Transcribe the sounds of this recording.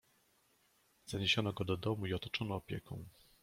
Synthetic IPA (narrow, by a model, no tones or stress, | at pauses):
zaɲeɕɔnɔɡɔd̪ɔd̪ɔmuiɔt̪ɔt͡ʂɔnɔːpʲjɛkɔ̰̃w̃